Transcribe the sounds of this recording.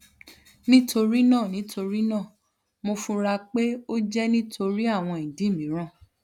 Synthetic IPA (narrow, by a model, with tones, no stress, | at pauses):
nĩ˦tʰo˧ɾi˦nãː˦˨nĩ˨˦tʰo˧ɾi˦nãː˦˨ | mo˧fũ˧ɾa˧k͡pe˦o˦d͡ʒɛ˦nĩ˦tʰo˧ɾi˦a˦˨w̃ɔ̃˧ĩ˨dĩ˨˦˨mĩ˨˦ɾ̃ã˦˨